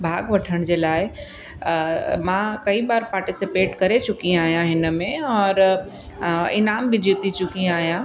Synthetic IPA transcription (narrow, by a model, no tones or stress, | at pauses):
bʱaːɡʋɐʈʰəɽ̃d͡ʑeːlaːɪ | mãkɐibaːɾpaːɾʈɪsɪpeːʈkɐɾet͡ɕʊkiaːɦjãɦɪnə̆mẽɔːɾ | ɪnaːmbɪd͡ʑit̪it͡ɕʊkiaːɦijã